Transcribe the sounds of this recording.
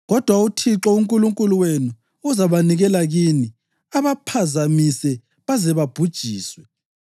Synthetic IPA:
ɣɔd̥ʱwautʰiǁɔuŋkʼuluŋkʼuluwenu | uzaβaniɣɛlaɣiːni | aβapʰazamisɛ | βazɛβab̥ʱud̥ʒ̥ʱiːswɛ

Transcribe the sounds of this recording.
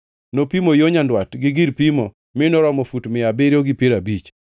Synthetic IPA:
nopimojoɲandwatɡɪɡiɾpimo | mɪnɔɾɔmɔfutmɪabeɾioɡɪpeɾabit͡ʃ

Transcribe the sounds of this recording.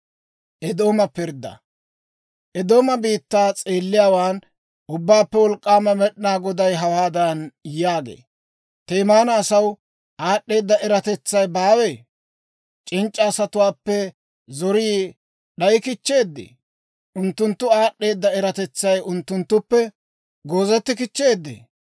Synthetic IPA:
ʔɛd̪o̞ːmɐpɪɾd̪ːɐ̰ | ʔɛd̪o̞ːmɐbiːt̪ːaːt͡sʼeːlːɪjaːwaːn | ʔʊbːaːpːɛwɔlkʼːaːmɐmɛɗnaːɡɔd̪ɐjɦɐwaːd̪ɐnjaːɡḛː | t̪eːmaːnɐːsɐw | ʔaːɗːe̞ːd̪ːɐʔɛɾɐt̪ɛt͡sːɐjbaːwe̞ː | t͡ʃʼɪnt͡ʃʼːɐːsɐt̪ʊwaːpːɛ | zɔɾiː | ɗɐjɪkɪt͡ʃːe̞ːd̪ːḛː | ʔʊnt̪ːʊnt̪ːʊaːɗːe̞ːd̪ːɐɛɾɐt̪ɛt͡sːɐjʊnt̪ːʊnt̪ːʊpːɛ | ɡo̞ːzɛt̪ːɪkɪt͡ʃːe̞ːd̪ːḛː

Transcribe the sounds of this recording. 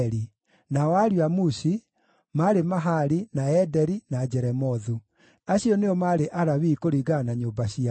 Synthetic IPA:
ɾi | nawaɾwamuɕi | maɾemaɦaɾinaɛdɛɾinad͡ʒɛɾɛmɔðu | aɕiɔneɔmaɾeʔaɾaβikoɾiɣanaɲoːmbaɕia

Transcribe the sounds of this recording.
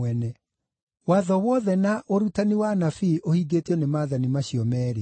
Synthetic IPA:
ɛnɛ | waðɔwɔðɛnaʔoɾutaniwanafiʔohiɡeteɔnemaːðanimaɕiɔmɛːɾe

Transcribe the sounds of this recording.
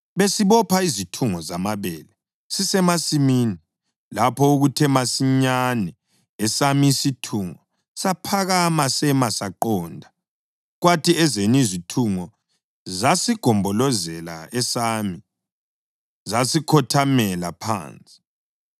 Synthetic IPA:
βesiβɔpʰaizitʰuŋɔzamaβɛlɛ | sisɛmasimiːni | lapʰɔuɣutʰɛmasiɲanɛ | ɛsamisitʰuŋɔ | sapʰaɣamasɛmasaǃɔːndʱa | ɣwatʰiɛzenizitʰuŋɔ | zasiɡ̥ʱɔmbʱɔlɔzɛla̰ɛsami | zasikʰɔtʰamɛla̰pʰa̰ːnt͡sʼi̥

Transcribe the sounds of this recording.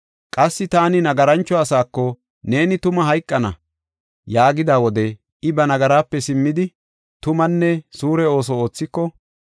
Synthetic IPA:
kʼɐsːɪt̪aːnɪnɐɡɐɾɐnt͡ʃːɔɐsaːkːɔ | ne̞ːnɪt̪ʊmɐɦɐjkʼːɐnɐ̰ | jaːɡɪd̪aːwɔd̪ɛ | ɪbɐnɐɡɐɾaːpːɛsɪmːɪd̪ɪ | t̪ʊmɐnːɛsuːɾɛo̞ːs̬ɔo̞ːt͡sːɪkːɔ

